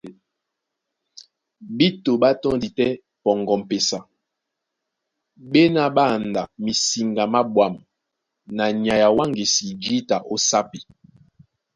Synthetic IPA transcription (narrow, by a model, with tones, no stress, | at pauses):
bi˦to˨ɓa˦tɔ˦ŋdi˨tɛ˦ | pɔ˨ŋɡɔ˨m̩˨pe˨sa˨ | ɓe˦na˦ɓa˦˨nda˨mi˨si˨ŋɡa˨ma˦bwa˨m | na˨ɲ˨a˨ja˨wa˦ŋɡi˨si˨d͡ʒi˦ta˨ʔo˦sa˦pi˨